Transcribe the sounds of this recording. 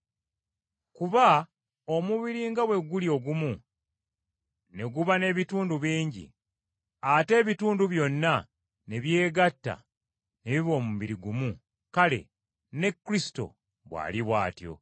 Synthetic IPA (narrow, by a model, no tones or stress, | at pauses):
kuβa | o̞muβiɾiːŋɡawe̞ɡulio̞ɡumu | ne̞ɡuβane̞βituːnduβiːɲɟḭ | ate̞ːβituːnduβjo̞nːa | ne̞βje̞ːɡatːa̰ | ne̞βiβo̞ːmumβiɾiɡumu | kale̞̰ | ne̞kːɾisi̥to̞̰ | βwa̰ːliβwaːtjo̞̰